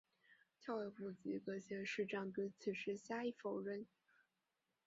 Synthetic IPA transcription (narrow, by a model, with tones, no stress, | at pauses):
t̪ʰjɑ˥˧ʊɛ˧˩pu˥˩t͡si˧˥kɤ˧˥ɕjɛ˧˥nʂɻ̩˥˧ʈ͡ʂɑ˥˧˥ŋkɤ˥t͡sʰi˨˩ʂɻ̩˥˩ɕja˥i˥˩fo˨˩ʊɻə˥˩n